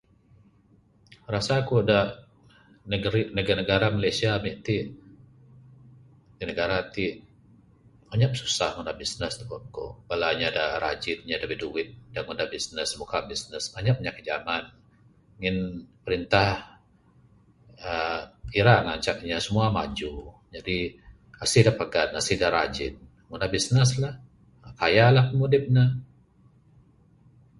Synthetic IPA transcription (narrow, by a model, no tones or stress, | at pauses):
rasakuada | ninəɡinəɡaɾamalasiamiʔt̪iʔ | dinəɡaɾat̪i | aɲap̚su̥sahŋəndabisnəst̪u̥bap̚ko̰balaɲadaɾa̰d͡ʒɪt̪̚ɲadabiduwɪt̪̚daŋundabisnəsmukabisnəsaɲap̚ɲakəd͡ʒaman | ŋɪnpəɾint̪ah | əiɾaŋaɲt͡ʃak̚ɲasəmuama̰d͡ʒu | d͡ʒadi | asidapaɡanasihdaɾad͡ʒɪn̚ | ŋundabisnəslah | kajalahkəmudɪp̚na